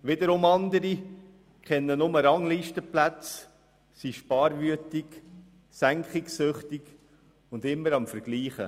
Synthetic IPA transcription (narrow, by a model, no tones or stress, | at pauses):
ʋɪd̪əɾʊmɑnd̪əɾi | kʰɛnːənʊməɾɑŋliːʃtəplæt͡s | siʃpɑːɾʋyətɪk | sæŋkχɪksøχtɪɡ | ʊndɪmːəɾɑmfəɾɡ̥liːχə̰